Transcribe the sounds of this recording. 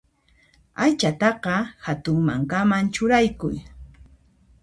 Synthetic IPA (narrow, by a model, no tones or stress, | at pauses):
ajt͡ʃat̪ɑqɑhat̪ʊŋma̰ŋkamant͡ʃʊɾajkʊj